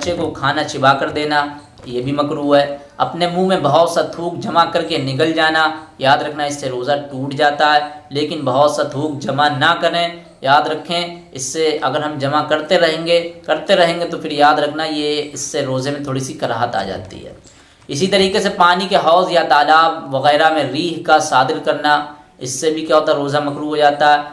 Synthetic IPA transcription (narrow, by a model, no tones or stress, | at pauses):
bɐːʃekokʰaːnat͡ʃɪbakɐɾd̪eːna | jebʱimɐkɾuːɦɦɛː | ɐ̰pnemũːmẽbɐɦɔːt̪sad̪ʰʱuːk̚d͡ʒɐmakɐɾkenɪk̬əld͡ʒaːnajaːd̪ɾɐkʰnaɪsːeɾoːzaʈuːʈd͡ʒaːt̪aɦɛːleːkɪnbɐɦɔːt̪sad̪ʰʱuːk̚d͡ʒɐmanɐkɐɾẽ | jaːd̪ɾɐkʰːẽɪsːeɐɡəɾɦɐmd͡ʒɐmakɐɾt̪eɾɐɦẽːŋɡekɐɾt̪eɾɐɦẽːŋɡet̪opʰɪɾjaːd̪ɾɐkʰnajeɪsːeɾoːzemẽt̪ʰoːɽisikɐɾaːɦət̪a̰ːd͡ʒa̰ːt̪ḭɦɛ̰ː | ɪsit̪ɐɾiːkesepaːnikeɦɔːzjat̪aːlaːbʋɐɣɛːɾamẽɾiːɦkasaːd̪ɪlkɐɾna | ɪsːebʱikjaːɦoːt̪aɦɾoːzamɐkɾuɦod͡ʒaːt̪aɦɛː